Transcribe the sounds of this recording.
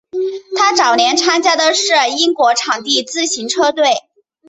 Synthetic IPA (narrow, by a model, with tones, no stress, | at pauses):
t̪ʰa˥ʈ͡ʂɑ˨˩ʊljɛ˥˩nʈ͡ʂʰa˥nt͡ɕja˥d̪ə˧ʂɻ̩˥˩i˥ŋkwɔ˧˥ʈ͡ʂʰɑ˨˩ŋt̪i˥˧t͡sɹ̩˥˩ɕi˧˥ŋʈ͡ʂʰɤ˥t̪we˥˩ɪ